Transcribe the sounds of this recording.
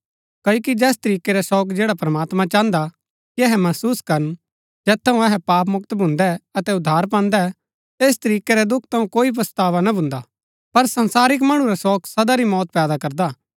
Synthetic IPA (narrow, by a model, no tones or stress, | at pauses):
kɐːjokid͡ʒɛːst̪ɐɾiːkeɾɛsɔːkd͡ʒɛːɽapɾɐmaːt̪mãt͡ʃãːnd̪a | kiɛɦɛmɐsuːskɐɾən | d͡ʒɛːt̪ʰːɐũɛɦɛpaːp̬mʊkt̪bʱʊ̃nd̪ɛɐt̪ɛʊd̪ʱːaːɾp̬ãːnd̪ɛ | eːs̬t̪ɐɾiːkeɾɛd̪ʊkʰt̪ʰɐ̃ũkoːipɐst̪aːʋanabʱʊ̃nd̪a | pɐɾsɐ̃nsaːɾɪk̬mɐɽ̃ũɾɛsɔːksɐd̪aɾimɔːt̪pɛːd̪akɐɾd̪aː